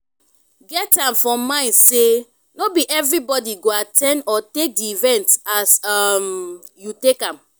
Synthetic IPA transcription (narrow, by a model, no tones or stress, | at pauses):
ɡɛtãmfɹɔ̃mːãɪ̃nse | nobiʔɛvɹibɔdiɡoatɛ̃ndɔtek̚diivɛ̃ntasam | jutekãm